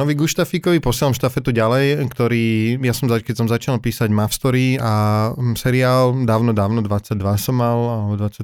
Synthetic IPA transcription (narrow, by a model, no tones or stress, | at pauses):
nɔʋiɡuʃt̪afikɔʋipɔsɪɛlamʃt̪afɛt̪uɟalɛjkt̪ɔɾiːjasɔmzakɛcsɔmzat͡ʃinalpiːsaɟmafst̪ɔɾiasɛɾiaːld̪aːʊnɔd̪aːʊnɔd̪ʋat͡sːaɟ̚d̪ʋasɔmːalalɛbɔd̪ʋat͡sːa